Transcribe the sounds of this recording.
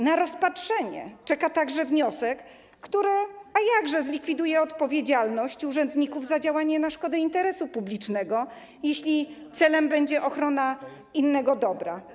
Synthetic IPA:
naɾɔspatʂɛɲɛ̰t͡ʂɛkat̪aɡʐɛvɲɔsɛkː | t̪uɾɘajaɡʐɛzlʲikfʲid̪ujɛɔt̪pɔvʲjed͡ʑalnɔɕt͡ɕuʐɛnd̪ɲikuvzad͡ʑawaɲɛnaʂkɔd̪ɛint̪ɛɾɛsupublʲit͡ʂnɛɡɔ | jeɕlʲit̪sɛlɛmbɛɲd͡ʑɛʔɔxɾɔna | inːɛɡɔd̪ɔbɾa̰

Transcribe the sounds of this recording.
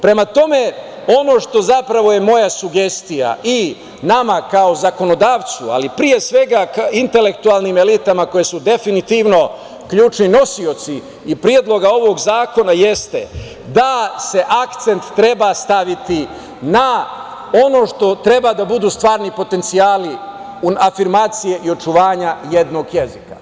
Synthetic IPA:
pɾe̞mat̪o̞me̞ | o̞no̞ʃt̪o̞zapɾaʋo̞je̞mo̞jasuɡe̞st̪ija̰i | namakaozako̞no̞d̪aːʋt̪sua̰lipɾije̞sʋe̞ɡaint̪e̞le̞kt̪uaːlnime̞lit̪amako̞je̞sud̪e̞finit̪iʋno̞ | kʎuːt͡ʃnino̞sio̞t̪siː | pɾijed̪lˠo̞ɡao̞ʋo̞ɡzaːko̞naje̞st̪e | d̪ase̞ʔakt̪se̞nt̪ːɾe̞bast̪aʋit̪i | na | o̞no̞ʃt̪o̞t̪ɾe̞bad̪abud̪uːst̪ʋaːɾnipo̞t̪e̞nt̪sijaːli | uafiɾmaːt̪sije̞ʔio̞t͡ʃuʋaːɲajed̪no̞ɡje̞zika

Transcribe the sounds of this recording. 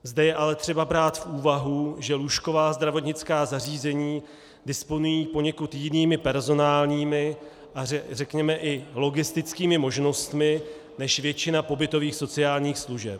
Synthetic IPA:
zdɛjɛʔalɛt̪r̝̥ɛbabɾaːt̪fʔuːvaɦuʒɛluʃko̞vaːzd̪ɾavo̞t̪ɲɪt͡skaːzariːzɛɲiː | dɪspo̞nujiːpo̞ɲɛkut̪jɪniːmɪpɛɾzo̞naːlɲiːmɪ | ʔaɛrɛkɲɛmɛʔɪloɡɪst̪ɪt͡skiːmɪmo̞ʒno̞st̪mɪ | nɛʃvjɛt͡ʃɪnapo̞bɪt̪o̞viːxso̞t͡sɪaːlɲiːxsluʒɛ̰p̚

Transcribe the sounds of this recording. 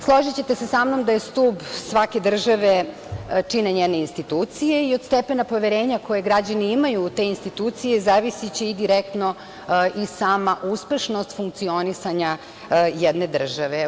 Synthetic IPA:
slˠo̞ʒit͡ɕet̪e̞sesamno̞md̪aje̞st̪ubsʋake̞d̪r̩ʒaʋe̞ | t͡ʂineɲene̞inst̪it̪uːt̪sijeio̞d̪st̪e̞pe̞napo̞ʋe̞ɾeːɲako̞jeɡɾad͡ʑaniimajuːt̪e̞ːinst̪it̪uːt̪sijezaːʋisit͡ɕiːd̪iɾek̚t̪no̞ | ʔisaːmaʔuspe̞ʃno̞st̪fuŋk̚t̪sio̞nisaɲa | jed̪ne̞d̪r̩ʒaʋe

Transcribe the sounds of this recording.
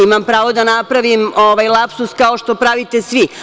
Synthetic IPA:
imampɾaːʋo̞d̪anapɾaʋimoʋajlˠapsuskaoʃt̪o̞pɾaʋit̪esʋi

